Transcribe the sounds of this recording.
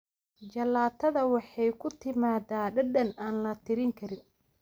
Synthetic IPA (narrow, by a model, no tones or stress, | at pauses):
t͡ʃɐlaːt̪ʰɐðɐwɑħɑjkʰʊt̪ʰɪmaːdaːɖɐɖɐnaːnlɐt̪ʰɪɾɪŋkʰɐɾɪn